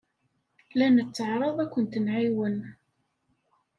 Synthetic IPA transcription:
lænət͡sːəʕɾˤəðˤækʷːənt̪ənʕiwən

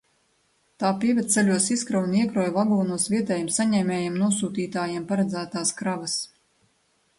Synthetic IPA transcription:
t̪aːpiɛvʲɛd̪t̪selʲuɔsiskɾawniɛkɾɔjvaɡuːnuɔsvʲiɛt̪ɛːjɛmsaɲɛːmʲɛːjɛmnuɔsuːt̪iːt̪aːjiɛmpaɾad̪zæːt̪aːskɾavas

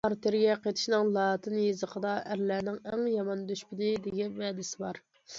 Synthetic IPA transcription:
ɑɾt̪ʰeɾɡʲɛqet̪ʰɪ̥ʃnɪŋlˠɑːt̪ʰɨnjezəqʰəd̪ɑʔæɾlænɪŋɛŋjɑmɑnd̪yʃpɪd̪ɪd̪ɪɡʲɛvɛːd̪ɪsɪbɑɾ

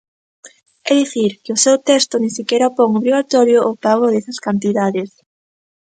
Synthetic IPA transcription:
ɛðiθiɾkɪʊsewt̪ɛst̪ʊnĩsikɛɾaopoŋoβɾiɣat̪ɔɾjʊʔːpaɣoðɛsɐskant̪̬iðaðes

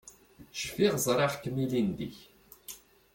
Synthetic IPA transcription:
ʃfiʁzˤɾˤɑʁt̪milind̪ḭç

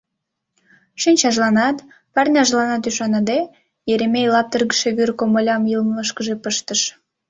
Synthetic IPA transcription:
ʃinʲt͡ɕɑʒlɑnɑt̪ | pɑrnʲɑʒlɑnɑt̪yʃɑnɑd̪e | jeɾemejlɑp̚t̪ərɣəʃeβyrkomolʲɑmjilmələʃkəʒepəʃt̪əʃ

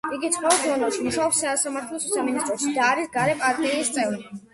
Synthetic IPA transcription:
iɡit̪sʰχwɔɔd̪ʰɔnɡ̪ɛʃimuʃaɔpsasamaɾt̪ʰlɔsusaminist̪ʼɾɔʃid̪aːɾisɡaɾɛpʼaɾt̪ʼiːst̪sʼɛvɾi

